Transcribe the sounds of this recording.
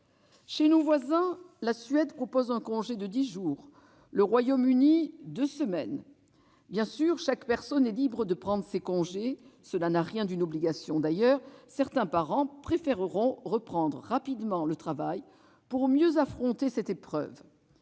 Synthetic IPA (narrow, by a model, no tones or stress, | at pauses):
ʃenovwazɛ̃lasɥɛd̪pχɔpozɛ̃kɔ̃ʒed̪əd̪iʒuːʁ | ləʁwajomynid̪øsəmɛn | bjɛ̃syʁʃakpɛʁsɔnɛlibʁəd̪əpχɑ̃d̪ʁəsekɔ̃ʒesəlanaʁjɛ̃d̪ynɔbliɡasjɔ̃d̪ajœʁsɛʁt̪ɛ̃paʁɑ̃pχefɛʁəʁɔ̃ʁəpχɑ̃d̪ʁəːapid̪mɑ̃lət̪χavaj | puʁmjøzafχɔ̃t̪esɛt̪epχœ̰v